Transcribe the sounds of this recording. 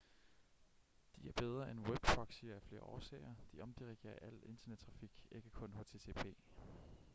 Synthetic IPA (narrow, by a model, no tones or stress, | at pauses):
d̥iæɐb̥eð̞ˠʁɐenweb̥kʰɒ̽ɡ̥siːɐæfle̝ːɐɒ̰ːsɛ̰ɪɐd̥iʔɒ̽md̥iʁiɡ̥e̝̰ːɐʔæl̰̥e̝nd̥ɐned̥̚t͡sʰʁɑ̈fiɡ̥e̝ɡ̥əkʰɔ̽nho̝ːt͡sʰe̝ːt͡sʰḛːpʰe̝̰ː